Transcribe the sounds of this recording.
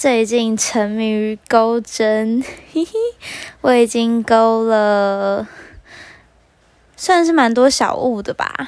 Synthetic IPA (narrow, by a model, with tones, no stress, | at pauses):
t͡se˥˧ɪ˨˩t͡ɕi˥˩nʈ͡ʂʰə˧˦˥ny˨˩˥ko˦˥ʊʈ͡ʂə˦˥n | wɔ˨˥˦i˨˩t͡ɕi˦ŋko˥ʊlə˨ | swa˥˧nʂ̬ɻ̩˥˩ma˧˥nt̪̬wɔ˥ɕjɑ̰˨˩ʊu˥˩d̪ə˩ba̰˨˩